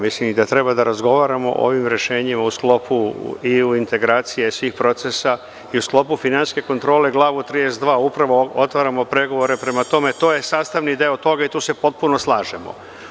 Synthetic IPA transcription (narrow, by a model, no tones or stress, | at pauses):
mislimid̪at̪ɾe̞bad̪aɾazɡo̞ʋaːɾamo̞̰ʔo̰ʋimɾe̞ʃeːɲimausklo̞pʰṵiuint̪e̞ɡɾaːt̪sije̞sʋiːxpɾo̞t̪sesa | iusklˠo̞pufinanske̞ko̞nt̪ɾo̞ːle̞ɡlˠaːʋut̪ɾid̪esd̪ʋaːupɾaʋo̞ot̪ʋaːɾamopɾe̞ɡo̞ʋo̞ɾe̞pɾe̞mat̪o̞met̪o̞ːje̞saːst̪aʋnid̪eot̪o̞ɡait̪uːse̞po̞t̪̚puno̞slˠaːʒe̞mo̰